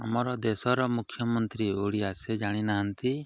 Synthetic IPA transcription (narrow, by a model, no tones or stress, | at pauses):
amɔɾɔd̪esɔɾɔmukʰːjɔmɔnt̪ɾioɽiasɛd͡ʒaɽ̃inaɦant̪i